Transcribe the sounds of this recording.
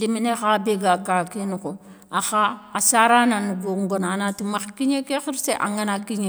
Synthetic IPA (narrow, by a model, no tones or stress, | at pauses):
diminexabeɡakakinuko | axaːsaɾananuɡoŋɡonanatumaxkiɲekexiɾseʔa̰ŋanakiɲe